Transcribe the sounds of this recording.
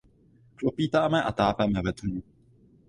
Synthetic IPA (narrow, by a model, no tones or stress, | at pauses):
klopiːt̪aːmɛʔa̰t̪aːpɛmɛvɛt̪ɲu